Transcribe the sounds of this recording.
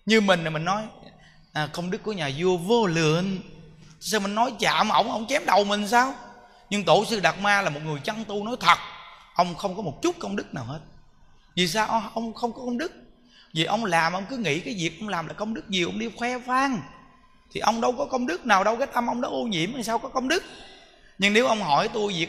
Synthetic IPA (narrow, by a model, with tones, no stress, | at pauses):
ɲɨ˧mï˨˩ŋ̟aː˨˩mi˨˩ŋ̟nɔ˨˦j | ʔə˨˩kə˧wŋ͡mɗɨ˦˥k̚ːu˧˩əɲaː˨˩zɨ˧əvoː˧lɨ˨ən˧ | sa˧wmï˨˩ŋ̟nɔ˨˦jt͡ɕa̰ː˧˨m˨ʔə̰˧˩wŋ͡mʔə̰˧wŋ͡mt͡ɕɛ˨˦mɗə˨˩wmï˨˩ŋ̟saː˧w | ɲɨ˧ŋt̪o˧˩sɨ˧ɗa˨˩t̚maː˧laː˨˩mo˨˩t̚ŋɨ˨˩əjt͡ɕa˧ŋt̪u˧nɔ˨˦jt̪ʰə˨˩t̚ʔə˧wŋ͡mxə˧wŋ͡mkɔ˨˦mo˨˩t̚t͡ɕu˦˥t̚kə˧wŋ͡mɗɨ˦˥k̚naː˨˩whe˦˥t̚ | vi˨˩s̬aː˧wʔə˧ʔə˧wŋ͡mxə˧wŋ͡mkɔ˨˦kə˧wŋ͡mɗɨ˦˥k̚ | vi˨˩ʔə˧wŋ͡mlaː˨˩mʔə˧wŋ͡mkɨ˨˦ŋḭ˧˥kaː˨˦jvi˨˩ək̚ʔə˧wŋ͡mlaː˨˩mlaː˨˩kə˧wŋ͡mɗɨ˦˥k̚ɲi˨˩ʔə˧wŋ͡mɗi˧xwɛ˧faː˧ŋ | t̪ʰi˨˩ʔə˧wŋ͡mɗə˧wkɔ˨˦kə˧wŋ͡mɗɨ˦˥k̚naː˨˩wɗə˧wkaː˦˥t̚ʔə˧mʔə˧wŋ͡mɗɔ̰˨˦ʔo˧ɲḭ˧˨əmːaː˨˩saː˧wkɔ˨˦kə˧wŋ͡mɗɨ˦˥k̚ | ɲɨ˧ŋne˨˦wʔə˧wŋ͡mɦɔ˧˩jt̪u˧jvi˨˩ək